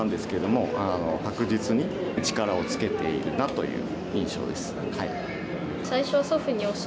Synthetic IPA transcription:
nd̪e̞sɨ̥ke̞ɾed̪o̞mo̞ano̞kakɯ̟d͡ʑit͡sɨɲ̟it͡ɕi̥kaɾao̞t͡sɨ̥ke̞t̪e̞̰ḭɾɯ̟nat̪o̞̰jɯ̟̰ː | ĩɰ̃ɕo̰ːd̪e̞sɨ̥hai | saiɕo̞β̞asoɸɯ̟ɲ̟io̞ɕ

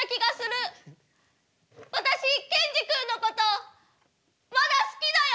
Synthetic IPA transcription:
kʲiɡasɨɾɯ̟ | βat̪aɕikẽ̞ɲ̟d͡ʑikɯ̟̃nːo̞ko̞t̪o̞ | mad̪asɨ̥kʲid̪aj

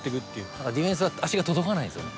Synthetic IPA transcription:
t̪ːekɯ̟t̪ːeɯ̟t̪ad̪ad̪ʲiɸẽ̞ɰ̃s̬ɨβaaɕiɡat̪od̪okanaiso̰

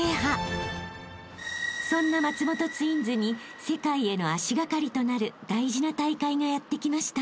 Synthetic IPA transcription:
eɦa | sõ̞nːamat͡sɨmo̞t̪o̞t͡sɨĩnzɨɲ̟i | se̞kaie̞no̞aɕiɡakaɾʲit̪o̞naɾɯ̟d̪aiʑinat̪aikaiŋajat̪ːe̞kʲimaɕi̥t̪a

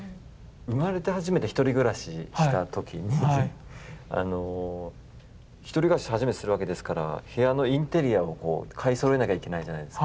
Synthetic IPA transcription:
ɯ̟maɾe̞t̪e̞ɦaʑimet̪e̞çi̥t̪o̞ɾʲiɡɯ̟ɾaɕiɕi̥t̪at̪o̞kʲiɲ̟i | a̰no̞ | çi̥t̪o̞ɾʲiɡɯ̟ɾaɕi̥haʑimet̪sɨɾɯ̟βake̞d̪e̞sɨ̥kaɾa̰he̞ano̞ĩnt̪e̞ɾʲiaoko̞̰ːkʰaisoɾe̞nakʲaike̞naiʑanaid̪eskka

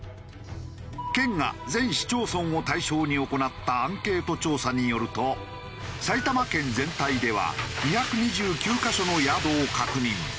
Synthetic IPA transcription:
kẽ̞ŋɡa̰zẽ̞ɰ̃ɕi̥t͡ɕo̞ːsõ̞ŋ̃o̞t̪aiɕo̞ːɲ̟io̞ko̞nat̪ːaãŋke̞ːt̪o̞t͡ɕo̞ːsaɲ̟ijo̞ɾɯ̟t̪o̞ | sait̪amakẽ̞nd͡zẽ̞nt̪aid̪e̞βa̰ɲiçakɯ̟ɲ̟iʑɨːkʲɨːkaɕo̞no̞jad̪o̞ːkakɯ̟ɲ̟ĩŋ

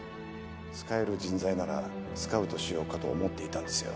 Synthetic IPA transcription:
t͡sɨ̥kae̞ɾɯ̟d͡ʑĩnd͡zainaɾa̰sɨ̥kaɯ̟t̪o̞ɕijo̞ːkat̪o̞̰ːmo̞t̪ːe̞it̪ãnd̪e̞sɨjo̞̰

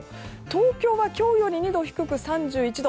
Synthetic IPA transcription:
t̪o̞ːkʲo̞ːβakʲo̞ːjo̞ɲʲiɲ̟id̪o̞çi̥kɯ̟kɯ̟sãɲd͡ʑɨːit͡ɕid̪o

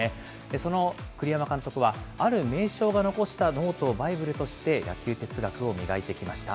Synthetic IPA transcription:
e | d̪̥e̞so̞no̞kɯ̟ɾʲijamakãnt̪o̞kɯ̟βaaɾɯ̟me̞ːɕo̞ːɡano̞ko̞ɕi̥t̪ano̞ːt̪o̞ːbaibɯ̟ɾɯ̟t̪o̞ɕi̥t̪e̞ja̰kʲɨːt̪e̞t͡sɨɡakɯ̟o̞mʲiɡait̪e̞kʲimaɕi̥t̪a̰

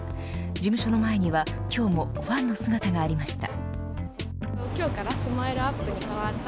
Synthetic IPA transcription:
d͡ʑimɯ̟ɕo̞no̞mae̞ɲ̟iβa | kʲo̞ːmo̞ | ɸãnːo̞sɨɡat̪aɡaːɾʲimaɕi̥t̪a̰ | t̪oːkʲo̞ːkaɾasɨmaeɾɯ̟apːɯ̟ɲ̟ikaβaɾ

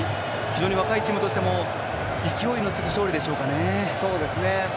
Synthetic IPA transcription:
çʲid͡ʑo̞ːɲ̟iβakait͡ɕimɯt̪o̞ɕi̥t̪e̞mo̞ | ikʲio̞ino̞t͡sɨɡʲiɕo̞ːɾʲid̪e̞ɕo̞ːkane̞ | so̞ːd̪e̞sɨne̞

